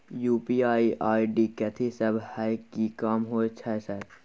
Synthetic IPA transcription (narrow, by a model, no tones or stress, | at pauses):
juːpiːaːiʔaːiɖiːkɛt̪ʰisɐbʱhaːjkːikaːmɦoːet͡ʃʰɐsɛt̪